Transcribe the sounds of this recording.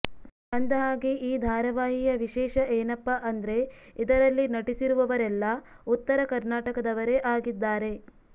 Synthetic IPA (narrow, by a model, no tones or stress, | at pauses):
ɐnd̪ɐɦaːɡiʔiːd̪ʱaːɾɐʋaːɦijɐʋiʃɛːʃɐʔeːnɐpːɐʔɐnd̪ɾe̞id̪ɐɾɐlːinɐʈisiɾuʋɐʋɐɾɛlːɐ | ut̪ːɐɾɐkɐɾnaːʈɐkɐd̪ɐʋɐɾeʔaːɡid̪ːaːɾe̞